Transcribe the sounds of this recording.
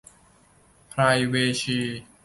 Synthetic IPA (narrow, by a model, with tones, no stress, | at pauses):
pʰɾa˧jweː˧t͡ɕʰiː˧